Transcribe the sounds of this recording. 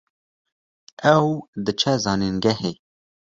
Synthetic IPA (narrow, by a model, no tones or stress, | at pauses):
ɛwd̪ɨt͡ʃʰɛzɑːninɡɛheː